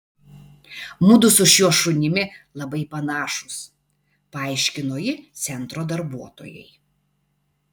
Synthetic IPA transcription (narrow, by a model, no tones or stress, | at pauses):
mʊd̪ʊsʊʃʲjuɔʃʊnʲɪmʲɪlˠɐbɐɪpɐnɑːʃʊs | pɐɑˑɪʃʲkʲɪnoːjɪt̪sʲɛnt̪ɾoːd̪ɐɾbuɔt̪o̰ːjɛ̰ɪ